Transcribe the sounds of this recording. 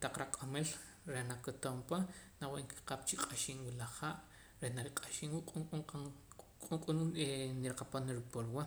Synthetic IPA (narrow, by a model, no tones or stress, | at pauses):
t̪aq͡χɾakʼomel | ɾenakot̪ompanaweʔŋki̥qaːp̚t͡ʃiqʼaʃiːnwilaχaːʔ | ɾehnaɾiqʼaʃiːnwuʔqʼuua | kʼuŋqʼununeniɾaqapanɾipolwa